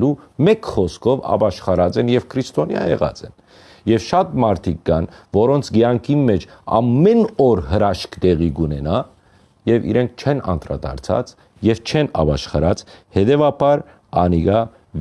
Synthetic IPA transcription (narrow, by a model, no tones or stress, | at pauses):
lumɛkχɔskʰɔvɑ̰bɑʃχɑɾɑt͡sɛnjɛvkʰɾist̪ɔnjɑ̰jɛ̰ʁɑ̰t͡sɛn | jɛvʃɑt̪mɑɾt̪ʰik̚ɡɑnvɔɾɔnt͡sʰɡjɑŋkʰimːɛt͡ʃʰɑ̰mːɛnɔɾɦəɾɑʃkʰt̪ɛʁiɡunɛnɑ | jɛvḭɾɛŋkʰt͡ʃʰɛnɑ̰nt̪ɾɑ̰d̪ɑ̰ɾt͡sʰɑ̰t͡s | jɛvt͡ʃʰɛnɑ̰bɑʃχɑɾɑt͡shɛt̪ɛvɑbɑɾ | ɑniɡɑ | v